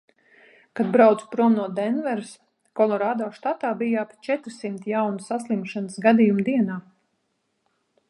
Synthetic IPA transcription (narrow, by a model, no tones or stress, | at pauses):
kad̪bɾawt̪spɾuɔmnuɔd̪ɛnvɛɾs | kɔlˠɔɾaːd̪ɔːʃt̪at̪aːbijapt͡ʃɛt̪ɾsimt̪jawnusaslˠimʃanɨsɡad̪ijumd̪iɛnaː